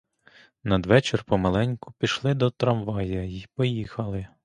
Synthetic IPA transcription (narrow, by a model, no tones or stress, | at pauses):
nɐd̪ʋɛt͡ʃerpɔmɐlˠɛnʲkʊpʲiʃlˠɪd̪ɔt̪ɾɐmʋɑjɐjipɔjixɐlˠɪ